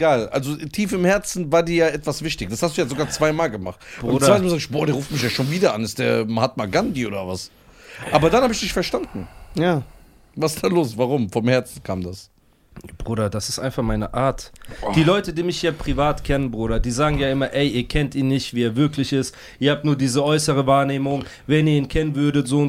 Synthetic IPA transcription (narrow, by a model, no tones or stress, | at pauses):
ɡaːlʔa̰lzotʰiːfɪmhɛɐt͡sn̩vaːɐdiːɐjaːʔɛtv̥asv̥ɪçtɪçd̥ashastd̥uːjaːzoɡaːɐt͡sv̥aɪmaːlɡəmaχtʊnaɪtnmzaɡɪçb̥ɔːɐdeːɐʁuːftmɪçjaːʃoːnviːdɐʔa̰nɪstd̥eːɐmhatmaɡandiʔo̰ːdɐvas | ʔaːbɐdanhaːbɪçd̥ɪçfɛɐʃtandn̩jaː | vassd̥aːloːsv̥aʁ̞ʊmfɔmhɛɐt͡sn̩kʰa̰ːmdas | b̥ʁuːɾɐdasɪ̥stʔa̰ɪnfaχmaɪnəʔaːɐtd̥iːlɔʏtədiːmɪçjaːpʁ̥ivaːtkʰɛnənbʁuːɾɐdiːzaːɡŋ̩jaːɪmɐʔɛɪʔiːɐkʰɛntʔiːnːɪçtv̥iːeːɐvɪɐklɪçɪst | ʔiːɐhaːp̚tnuːɐdiːzəʔɔʏsəʁ̞əvaːɐneːmʊŋ | vɛniːɐiːnkʰɛnənvʏɐdətz̥oːʊn